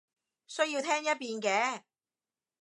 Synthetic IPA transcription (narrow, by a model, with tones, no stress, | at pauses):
sɵ˥ɥjiː˧wt̪ʰɛː˥ŋjɐ˥t̚piː˧nkɛː˨˥